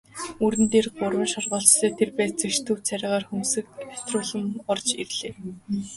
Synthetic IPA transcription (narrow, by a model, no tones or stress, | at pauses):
uɾɘ̆nt̪eːrɢʊrwə̆nʃɔrʁɔːɬt͡ɕseːt̪ʰerpæːt͡sɘ̆kʃt̪ʰɵ̆wt͡sʰæɾʲɪ̆ːʁaːrxumsɘ̆k̚ḁt̪rʊːɮə̆mɔrt͡ɕerɮeː